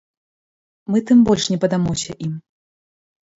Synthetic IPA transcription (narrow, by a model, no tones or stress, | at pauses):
mɨt̪ɨmbɔlʲʂnʲɛpɐd̪amɔwsʲɐʔim